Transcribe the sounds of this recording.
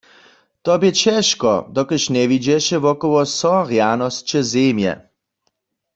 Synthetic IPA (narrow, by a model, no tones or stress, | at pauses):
t̪ɔbjɛt͡ɕɛʃkɔ̰d̪ɔkəʃnɛvid͡ʑɛʃɛvɔkɔwɔsɔʁjanɔst͡ʃɛzemjɛ̰